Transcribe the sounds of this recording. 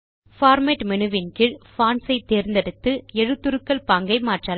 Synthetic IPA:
faːɾmeːʈmɛnɯʋɪnkɪɭfaːnsɐɪt̪ːeːɾnd̪ɛɽɯt̪ːɯɛɻɯt̪ːɯɾɯkːɐɭpaːŋɡɐɪmaːʈraː

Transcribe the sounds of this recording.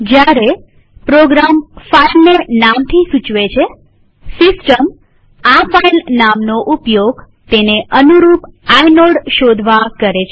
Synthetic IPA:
d͡ʒjaɾe | pɾoɡɾamfailnenamt̪ʰisũt͡ʃʋet͡ʃʰe | sɪsʈəm | afailnamnoʔupjoɡ | t̪eneʔənuɾupajnoɽʃod̪ʱʋakəɾet͡ʃʰe

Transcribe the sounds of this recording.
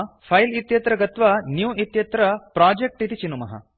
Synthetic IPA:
pʰɐjlit̪jɐt̪ɾɐɡɐt̪ʋɐnjuːit̪jɐt̪ɾɐpɾaːd͡ʒek̚ʈit̪it͡ʃinumɐɦɐ̰

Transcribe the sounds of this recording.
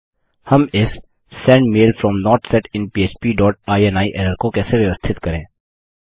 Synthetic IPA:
hɐmɪs | sɛ̃ːɳɖmeːlfɾɔmnɔːɾʈsɛːʈɪ̃npiːeːt͡ʃpiːɖɔːʈaːieːnaːiʔɛːɾəɾkokɛːseʋjɐʋəst̪ʰɪt̪kɐɾẽː

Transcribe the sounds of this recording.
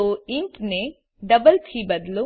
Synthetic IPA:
oinʈne | ɖɐbɐlt̪ʰiːbɐd̪lu

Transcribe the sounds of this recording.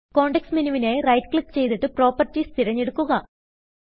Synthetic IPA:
ko̞ːɳɖeksminuʋinerɐjtklipt͡ɕe̞jt̪iʈːɨpro̞ːpːɐrtːist̪ʰiɾɐɲːeɽukːuɣɐ

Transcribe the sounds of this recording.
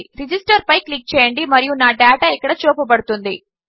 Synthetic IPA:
ɾid͡ʒisʈɐɾpɐjklik̚t͡ʃɛːjɐɳɖimɐɾijunaːɖaːʈaikːɐɽɐt͡ʃoːpɐbɐɽut̪und̪i

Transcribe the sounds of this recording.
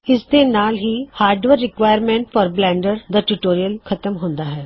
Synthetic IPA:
ɪsd̪enaːlɦihaːɾɖʋəɾːɪkʋaːjəɾmẽːɳʈfɔːɾblɛ̃ːɳɖəɾd̪əʈuʈoːɾijəlkʰɐt̪əmɦõːnd̪aɦɛː

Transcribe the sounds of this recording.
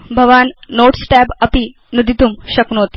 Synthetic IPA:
bʱɐʋanːoʈsʈɛbəpi | nud̪ʱit̪umɕɐknoːt̪i̥

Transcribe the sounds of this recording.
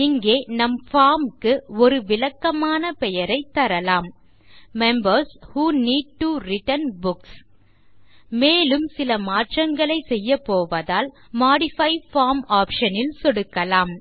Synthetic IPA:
ɪŋɡeːnɐmfaːɾmkɯɔɾɯʋɪlɐkːɐmaːnɐpɛjɐɾɐɪt̪ːɐɾɐlaːm | mɛmbɐɾshuːniːɖ̚ʈuɾɪʈɐnbʊks | meːlɯmsɪlɐmaːʈrɐŋɡɐɭɐɪsɛjːɐpoːʋɐðaːl | maːɽɪfɐɪfaːɾmaːpʂɐnɪlsɔɽɯkːɐlaːm

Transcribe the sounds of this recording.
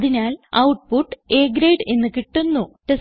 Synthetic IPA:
ðinaːlɐwʈ̚puʈːeːɡɾejɖe̞nːɨkiʈːunːuʈes

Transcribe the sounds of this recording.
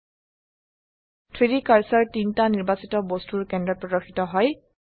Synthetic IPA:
tʰidikaɹsɔɹtintaniɹbasitɔbostuɹkɛndɔt̚pɹɔdɔɹxʰitɔɦɔj

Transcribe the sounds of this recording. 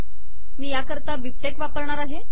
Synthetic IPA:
miːjakəɾt̪aʋip̚ʈekʋapəɾɳaɾaɦe

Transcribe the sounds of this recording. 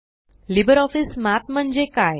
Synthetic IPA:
libəɾɔfismat̪m̤əɳd͡ʑekaj

